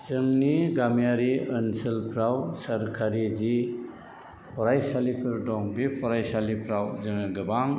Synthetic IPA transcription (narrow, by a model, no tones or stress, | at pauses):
z̥ɯŋniɡamjaɾiənsɯlpʰɾawsaɾkʰaɾizi | pʰɔɾajsalipʰɯɾdɔŋbipʰɔɾajsalipʰɾawzɯŋɯɡɯbaŋ